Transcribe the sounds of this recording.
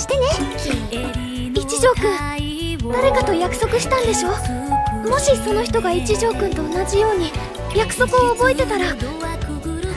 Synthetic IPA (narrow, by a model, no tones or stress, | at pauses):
ɕi̥t̪e̞ne̞ | it͡ɕiʑo̞ːkɯ̟̃ɴ | d̪aɾe̞kat̪o̞jakɯ̟̥so̞kɯ̟ɕi̥t̪ãnd̪e̞ɕo̞ː | mo̞ɕiso̞no̞çi̥t̪o̞ɡait͡ɕiʑo̞ːkɯ̟nt̪o̞ːnaʑijo̞ːɲ̟i | jakɯ̥so̞kɯ̟oːbo̞e̞t̪e̞t̪aɾa